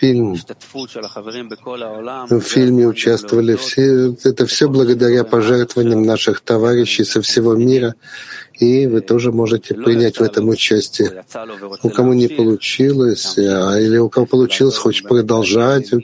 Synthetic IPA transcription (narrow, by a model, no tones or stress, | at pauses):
fʲilʲm | ffʲilʲmʲɪʊt͡ɕast̪əvəlʲɪfʲɛt̪əfsʲɵblˠəɡəd̪ɐɾʲapɐʐɛrt̪vəvənʲɪəmnaʂɨxt̪ɐvaɾʲɪɕːɪjsəfsʲɪvo̞mʲiɾə | ivɨt̪o̞ʐɨmo̞ʐɨtʲɪpɾʲɪnʲætʲvɛt̪əmʊt͡ɕæsʲtʲɪə | ʊkɐmunʲɪpəlˠʊt͡ɕilˠəsʲailʲɪʊkɐvopəlˠʊt͡ɕilˠəsʲxot͡ɕpɾəd̪ɐlˠʐatʲʊ